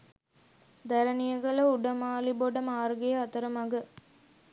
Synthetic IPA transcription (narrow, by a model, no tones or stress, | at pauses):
d̪ɐɾɐnijɐɡɐlɐuɽɐmaːliboɖɐmaːɾɡejɐɐt̪ɐɾɐmɐɡɐ